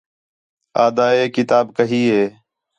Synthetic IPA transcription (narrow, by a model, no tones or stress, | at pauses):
aːd̪aːeːkɪt̪aːbkəɦiːɦeː